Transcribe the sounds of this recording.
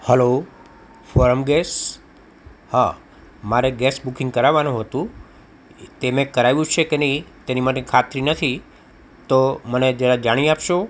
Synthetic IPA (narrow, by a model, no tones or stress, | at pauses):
həlo | fɔɾəmɡes | ha | maɾeɡesbukɪ̃ŋɡ̚kəɾaʋanũɦət̪ũ | t̪emẽkəɾajʋjũt͡ʃʰekenəĩt̪enimaʈekʰat̪ɾinət̪ʰi | t̪oməned͡ʒeɾad͡ʒaɽ̃iapʃo